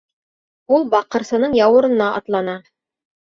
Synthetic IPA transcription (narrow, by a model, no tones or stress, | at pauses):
ulˠbɑqɤ̆ɾsɤ̆nɤɴjɑwɤ̆ɾɤ̆nːɑʔɑ̰t̪lˠɑnɑ